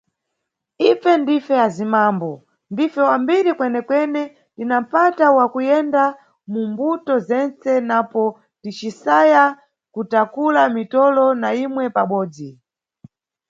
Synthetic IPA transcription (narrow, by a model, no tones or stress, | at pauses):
ifɛndifɛjazimambɔ | ndifɛwambiɾikwɛnɛkwɛnɛ | tinam̩patawakujɛnda | mumbutɔzɛnt͡sɛnapɔ | dit͡ʃisaja | kutakulamitɔlɔnaimwɛpaɓɔːd͡zi